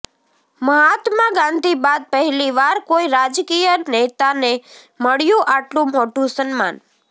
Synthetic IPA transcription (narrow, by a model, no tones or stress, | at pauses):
məɦat̪maɡãnd̪ʱibad̪̚pəɦɛliʋaɾkoiɾad͡ʒkijənet̪ane | məɭjũʔaʈlũmoʈũsənma̰n